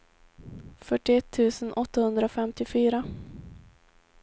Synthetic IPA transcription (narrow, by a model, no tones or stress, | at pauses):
fœʈːɪɛt̪ʰːʉ̟ːsənʔɔt̪ːahɵnd̪ɾaɔfɛmt̪ɪfyːɾa